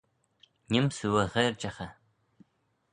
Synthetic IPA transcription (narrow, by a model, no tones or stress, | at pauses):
nɪmsɨwɐʁɐrt͡ʃʼɐχɐ